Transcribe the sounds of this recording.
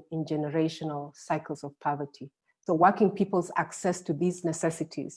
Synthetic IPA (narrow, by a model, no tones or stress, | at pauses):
ɪ̃nd͡ʒɛnəɹeɪʃɔnəlˠsaɪkl̩ˠzɔv̥pʰɔvətʰi | soʊwɜ˞kɪ̃ŋpʰipəlˠza̰ksɛstʰuðiznɛsɛsɨtʰḭz̥